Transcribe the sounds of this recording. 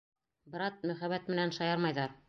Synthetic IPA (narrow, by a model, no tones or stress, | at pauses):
bɤ̆ɾɑt̪̚mɵ̆χæβæt̪mɘ̆nænʃɑjɑɾmɑjðɑɾ